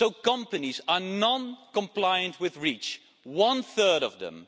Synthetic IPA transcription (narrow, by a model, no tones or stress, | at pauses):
soʊkʌ̃mpɨnizə˞nɑ̃nkə̃mpʰl̥aɪɨ̃nʔ̚ʰwɪðɹit͡ʃ | wʌ̃nθɜ˞ɾʌ̰vðə̰̃m